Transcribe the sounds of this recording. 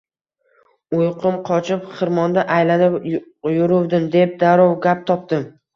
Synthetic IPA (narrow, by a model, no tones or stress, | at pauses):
ʊjqʰɨmqʰɒt͡ʃʰɪpχɨɾmɒnd̪aʔajlanɪp | jʊɾʊwd̪ɪmd̪e̞p̚d̪aɾɒwɡʲap̚t̪ʰɒp̚d̪ɪm